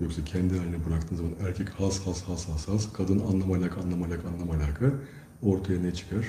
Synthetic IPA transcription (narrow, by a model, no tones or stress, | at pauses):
joksɛcʰɛnd̪ialʲinɛbuɾakt̪ʰɯːnzamanæɾcʰɛchashashashashaskʰad̪ɯnanlˠamalʲaːkʰaːnlˠamalʲaːkʰanlˠamalʲaːkʰa | o̞ɾt̪ʰajanet͡ʃʰɯ̥kʰaɾ̥